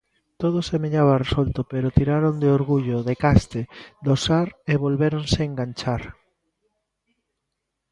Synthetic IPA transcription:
t̪oð̞osemeɲaβaresolt̪opeɾot̪iɾaɾond̪eoɾɣuʎoðekast̪ed̪osaɾeβolβeɾonseːŋɡant͡ʃaɾ

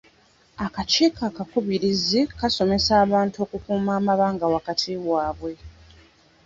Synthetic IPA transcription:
akaceːkakakuβiɾizikaso̞me̞saːβaːntuo̞ːkukuːmaːmaβaːŋɡawakatʰiwaːβwe̞

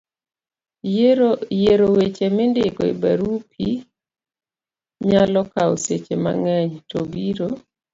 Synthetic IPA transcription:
jeɾowet͡ʃemɪndɪɡɔḭbaɾupʰi | ɲalɔkaoset͡ʃema̰ŋɛɲtobiɾo

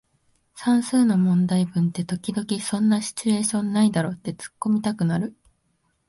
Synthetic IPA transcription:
sãɰ̃sɨːno̞mõ̞nd̪aibɯ̟̃nt̪e̞t̪o̞kʲid̪o̞kʲisõ̞nːaɕi̥t͡ɕɨe̞ːɕõ̞nːaid̪aɾo̞ːt̪ːe̞t͡sɨ̥kːo̞mʲit̪akɯ̟naɾɯ̟

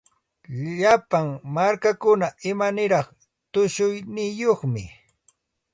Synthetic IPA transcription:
ʎʎapaŋmaɾkakʊnaɪmanɪɾɑχ | t̪ʊʃʊjnɪjoχmɪ̰

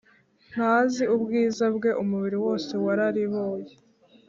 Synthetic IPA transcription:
n̥haːziubɡiːzabɡe̞ʔumuβiɾiwo̞ːse̞waɾaɾiβoːje

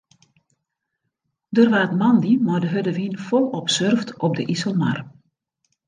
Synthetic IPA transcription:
dərʋaːtmɑndimɔdəɦødəʋinfɔlˠɔpsørftɔb̚dəʔisəlˠma̰r

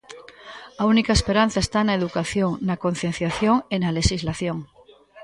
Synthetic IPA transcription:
aunikaespeɾan̟θaest̪anaeðukaθjoŋnako̞n̟θje̞n̟θjaθjoŋenale̞ʃizlaθjoŋ

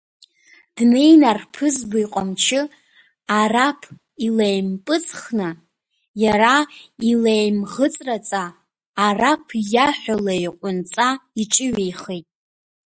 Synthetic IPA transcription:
d̥nejnarpʰɨzbaiqʼamt͡ʃʰɪ | arapʰ | ilejmpʼɨt͡sʼχnɨ | jaɾailejmʁət͡sʼrat͡sʼaː | rapʰjaħʷᶣalajqʷʼʊnt͡sʼaiʈ͡ʂʼɪɥejχetʼ

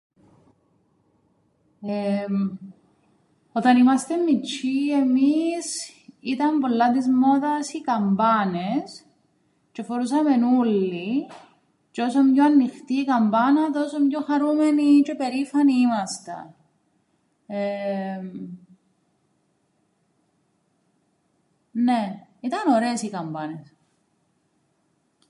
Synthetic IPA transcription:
em | o̞t̪ɐnimɐst̪emːit͡ʃːie̞misit̪ɐɱpolːɐt̪izmot̪ɐsikɐmbɐnes | t͡ʃefoɾusɐme̞nulːi | t͡ʃeo̞somɲoɐnːixt̪iːkɐmbɐnɐt̪osomɲoxɐɾumenit͡ʃepe̞ɾifɐniimɐst̪ɐ̰ | e | neit̪ɐno̞ɾeːsikɐmbɐnes

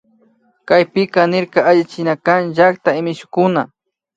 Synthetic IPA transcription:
kajpɪkanɪɾkaːʎɪt͡ʃɪnakanʒakt̪aɪmɪʃʊ̥kʊna

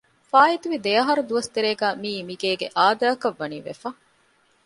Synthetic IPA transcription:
faːit̪uʋid̪eɐɦɐɾud̪uʋɐst̪eɾeːɡæːmiːmiɡeːɡḛʔaːd̪aːkɐʋːɐniːʋḛfɐ

